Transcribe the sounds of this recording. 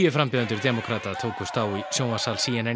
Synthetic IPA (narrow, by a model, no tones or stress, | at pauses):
jʏfɾampɪðant̪ʏɾd̪ɛːmɔkʰɾaːt̪at̪ʰoːwkʏst̪aːwisjoːwmasaːlsiɛnɛn